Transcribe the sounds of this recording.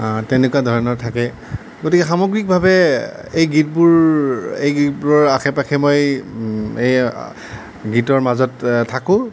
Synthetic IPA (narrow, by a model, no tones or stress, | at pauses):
tɛnekuwadʱɔɹɔnɔɹtʰakɛ | ɡotikɛxamoɡɹik̚bʱabɛ | ejɡit̚buɹejɡit̚buɹɔɹaxʰɛpakʰɛmoj | ej | ɡitɔɹmazɔttʰːakʊ̃